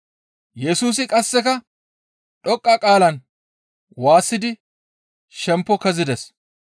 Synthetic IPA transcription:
jɛsuːs̬ɪkʼɐsːɛkɐ | ᶑɔkʼːakʼaːlɐn | waːsːɪd̪ɪ | ʃɛmpːɔkɐzɪd̪ɛs

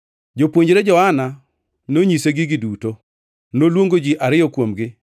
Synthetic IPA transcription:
d͡ʒopwoɲd͡ʒɾed͡ʒɔana | noɲiseɡɪɡɪduto | nolwoŋɡod͡ʒiʔaɾɪjɔkwomɡɪ

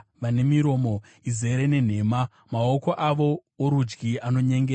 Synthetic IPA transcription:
ʋane̞miɾo̞ːmo̞ | ize̞ɾene̞n̤e̞ːma | maoko̞ʔaʋo̞ | oɾud͡ʒɡiano̞ɲeŋɡe

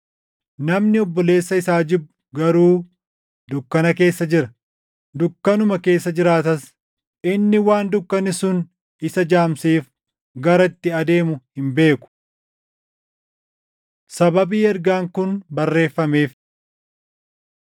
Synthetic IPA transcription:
nɐmnɪɔbːɔle̞ːsːɐɪsaːd͡ʒɪbʊɡɐɾuː | d̪ʊkːɐnɐke̞ːsːɐd͡ʒɪɾɐ | d̪ʊkːɐnʊmɐke̞ːsːɐd͡ʒɪɾaːt̪ɐs | ʔɪnːɪwaːnd̪ʊkːɐnɪsʊn | ɪsɐd͡ʒaːmsiːf | ɡɐɾɐɪt̪ːɪɐd̪e̞ːmʊhɪmbe̞ːkʊ̥ | sɐbɐbiːɛɾɡaːŋkʊnbɐrːe̞ːfːɐmeːf

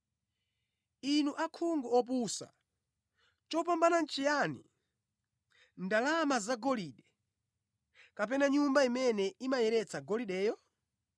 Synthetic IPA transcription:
inuʔakʰuŋɡuɔp̬usa̰ | t͡ʃɔp̬ambanan̩t͡ʃʰijanḭ | ndalamazaɡɔliːɗɛ | kap̬ɛnaɲumbaimɛnɛimajɛɾɛt͡saɡɔliɗɛːjɔ

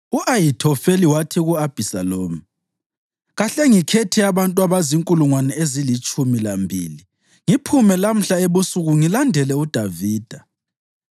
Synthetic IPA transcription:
uʔajitʰɔfeliwatʰiɣuab̥ʱisaloːmi | ɣaɬɛŋikʰɛtʰiaβantʼwaβaziŋkʼuluŋwanɛezilit͡ʃʼumilambʱḭːli | ŋipʰumɛlam̩ɬaeβusuɣuŋilandʱɛlɛud̥ʱaviːd̥ʱa

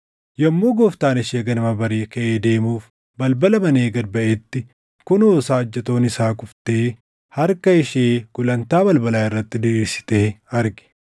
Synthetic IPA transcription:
jɐmːoːɡɔft̪aːnɪʃeːɡɐnɐmɐbɐɾeːkɐʔeːd̪e̞ːmuːf | bɐlbɐlɐmɐneːɡɐd̪̚bɐʔet̪ːɪ | kʊnoːsaːd͡ʒːɐt̪o̞ːnɪsaːkʼʊft̪eː | hɐɾkɐɪʃeːɡ̥ʊlɐnt̪aːbɐlbɐlaːɪrːɐt̪ːɪd̪ɪiːsɪ̥t̪ɛːɐɾɡɪ̥

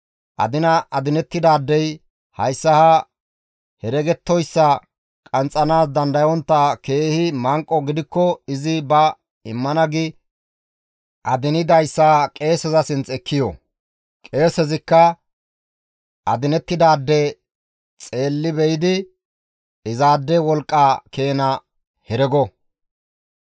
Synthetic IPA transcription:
ʔɐ̰d̪ɪnɐɐd̪ɪnɛt̪ːɪd̪aːd̪ːɛj | hɐjsːɐha | hɛɾɛɡɛt̪ːɔjsːɐ | kʼɐnt͡sʼːɐnaːsd̪ɐnd̪ɐjɔnt̪ːake̞ːhɪmɐŋkʼːɔɡɪd̪ɪkːɔɪzɪbɐ | ɪmːɐnɐɡɪ | ʔɐd̪ɪnɪd̪ɐjsːakʼe̞ːsɛzɐsɪnt͡sɛkːɪjɔ̰ | kʼe̞ːsɛzɪkːɐ | ʔɐd̪ɪnɛt̪ːɪd̪aːd̪ːɛ | t͡sʼe̞ːlːɪbɛjɪd̪ɪ | ɪzaːd̪ːɛwɔlkʼːaːke̞ːnɐ | hɛɾɛɡɔ

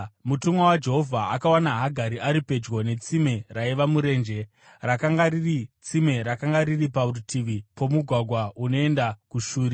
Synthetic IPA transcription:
mutumwawad͡ʒe̞ɦo̞vʱaakawanaɦaɡʱaɾiʔaɾipe̞d͡ʒwo̞ne̞t͡sime̞raiʋamuɾe̞ːnd͡ʒe̞ | rakaŋɡaɾirit͡sime̞ɾakaŋɡaɾiripaurutʰiʋipo̞muɡʱwaɡʱwauno̞e̞ndakuʃuːɾi

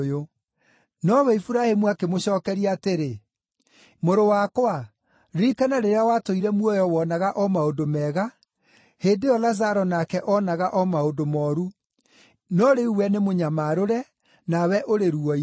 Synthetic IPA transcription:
jo | nɔwɛifuɾahemuakemoɕɔːkɛɾiaːteɾe | moɾowakwa | ɾikanaɾeɾeawatoiɾɛmwɔjɔwɔnaɣaʔɔmaodomɛːɣa | heːndeɔlazaɾɔnakɛʔɔnaɣaʔɔmaodomɔɾu | nɔɾeuwɛnemoɲamaɾoɾɛ | nawɛʔoɾeɾuɔi

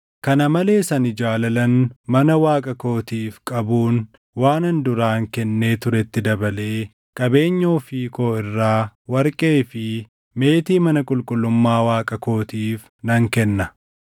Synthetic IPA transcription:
kɐnɐmɐle̞ːsɐnɪd͡ʒaːlɐlɐnmɐnɐwaːkʼɐko̞ːt̪iːfkʼɐbuːn | waːnɐnd̪ʊɾaːŋkɛnːe̞ːt̪ʊɾɛt̪ːɪd̪ɐbɐle̞ː | kʼɐbe̞ːɲːo̞ːfiːko̞ːɪrːaːwɐɾkʼe̞ːfɪ | me̞ːt̪iːmɐnɐkʼʊlkʼʊlːʊmːaːwaːkʼɐko̞ːt̪iːf | nɐŋkɛnːɐ

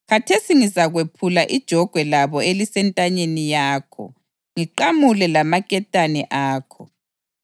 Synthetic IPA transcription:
ɣatʰesiŋizaɣwepʰulaʔid̥ʒ̥ʱɔɡ̥ʱwɛlaβɔelisɛntʼaɲenijaːkʰɔ̰ | ŋiǃamulɛlamakʼɛtʼanɛʔaːkʰɔ

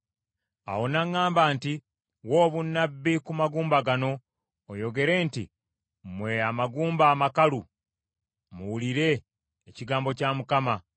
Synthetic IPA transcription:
a̰wo̞naŋːaːmbaːnti | wo̞ːβunːabːikumaɡuːmbaɡano̞ː | jo̞ɡe̞ɾe̞ːntḭ | mwe̞amaɡuːmbaːmakalu | muwuliɾe̞ː | ciɡaːmbo̞camukama

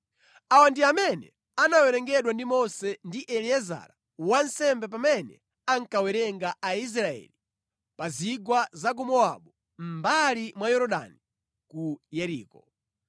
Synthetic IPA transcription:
awandiamɛnɛ | anawɛɾɛŋɡɛɗwandimɔsɛndiʔɛliɛza̰ɾa | wan̩sɛmbɛp̬amɛnɛ̰ | aŋ̩kawɛɾɛŋɡaais̬ɾaɛ̰li | paziɡwazak̬umɔa̰ɓu | m̩balimwajɔɾɔɗa̰ni | kujɛɾḭːkɔ

